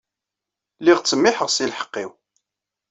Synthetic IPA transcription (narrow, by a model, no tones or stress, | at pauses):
liʁt͡sːəmːɪħəʁsilħə̥qːiw